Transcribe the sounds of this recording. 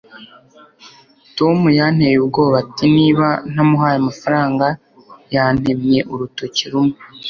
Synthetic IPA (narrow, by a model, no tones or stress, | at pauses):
to̞mujan̥hejubɡo̞ːβatiniːβan̥hamuɦaːjamafaɾaːŋɡa | jaːn̥he̞mje̞ʔuɾuto̞ciɾumu